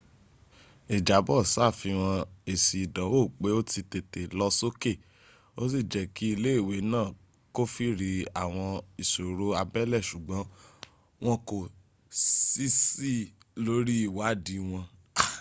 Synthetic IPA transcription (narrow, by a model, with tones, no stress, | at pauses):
e˨d͡ʒa˨˦bɔ˦˨sa˦˨fi˧w̃ɔ̃˧e˨si˨dɔ̃˨˦o˦˨k͡pe˨˦o˦ti˧te˨te˨lɔ˧so˦ke˦˨ | o˦s̬i˦˨d͡ʒɛ˨ki˨˦i˧le˦i˦˨we˨˦nãː˦˨ | ko˦fi˦ɾi˨˧a˨w̃ɔ̃˧i˨so˨ɾo˦a˧bɛ˦lɛ˦˨ʃu˨ɡ͡bɔ̃˨˦ | w̃ɔ̃˦ko˨ | si˦si˦lo˨˦ɾi˦i˦˨wa˨˦di˨˦w̃ɔ̃˧